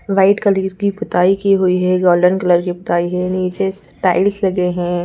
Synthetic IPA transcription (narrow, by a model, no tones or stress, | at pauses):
ʋaɪʈkəliɾkipʊt̪aːikiɦuiɦɛɡɔːɾɖənkɐləɾkipʊt̪aːiɦɛniːt͡ʃes | ʈa̰ːɪlslɐɡeɦɛ̃ː